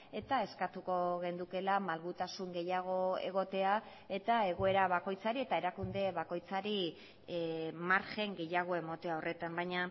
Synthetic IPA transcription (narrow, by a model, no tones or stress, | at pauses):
e̞t̪ae̞skat̪uko̞ɣ̞e̞nd̪uke̞lamalɣut̪asuŋɡe̞jaɣ̞o̞e̞̰ɣ̞o̞t̪e̞a | e̞t̪ae̞ɣ̞o̞e̞ɾaβako̞jt͡saɾie̞t̪ae̞ɾakund̪e̞βako̞jt͡saɾi | maɾxe̞ŋɡe̞jaɣ̞o̞emo̞t̪eao̞rʔe̞t̪ambajɲa